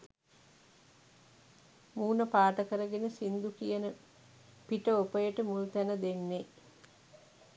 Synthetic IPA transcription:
muːnəpaːʈəkəɾəɡenəsind̪ukijənə | piʈəopəjəʈəmult̪ænəd̪enːe

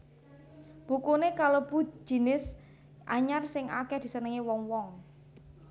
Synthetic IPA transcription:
b̥ukunekalob̥ṳ̥d͡ʒ̥i̤nɪs | ʔa̰ɲarsɪŋakɛhd̪̥i̤sənəŋiwɔŋwɔŋ

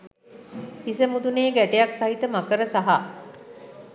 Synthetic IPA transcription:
isəmud̪uneːɡæʈejaksaɦit̪əmakəɾəsaɦa

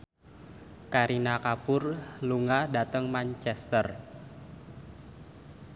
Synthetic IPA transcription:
kaɾinakapʊrluŋada̤t̪əŋmant͡ʃɛst̪ər

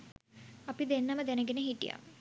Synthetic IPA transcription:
apid̪enːaməd̪ænəɡenəɦiʈḭja̰

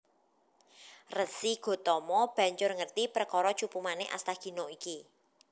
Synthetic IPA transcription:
rəsiɡ̥o̤t̪ɔmɔb̥a̤ɲt͡ʃʊrŋərt̪ipəɾkɔɾɔ̥t͡ʃupumaneʔa̰st̪aɡ̥i̤noiki

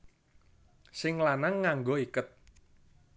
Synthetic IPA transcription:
sɪŋlanaŋːaŋɡoikʊt̪̚

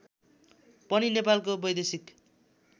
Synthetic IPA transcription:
pʌninepalkobʌjd̪esik

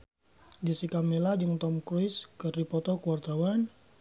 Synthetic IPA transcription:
disikamelad͡ʒɨŋt̪ɔmkɾuɪskərdipɔt̪ɔkuward̪awan

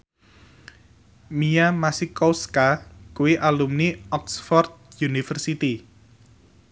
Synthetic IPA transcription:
mijamasikɔskakuwiʔalumniɔksfɔrt̪̚junifərsit̪i

